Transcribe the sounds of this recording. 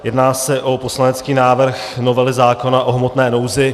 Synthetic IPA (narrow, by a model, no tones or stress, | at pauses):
jɛdnaːsɛʔo̞po̞slanɛt͡skiːnaːvr̩xno̞vɛlɪzaːko̞naʔo̞ɦmo̞t̪nɛːno̞wzɪ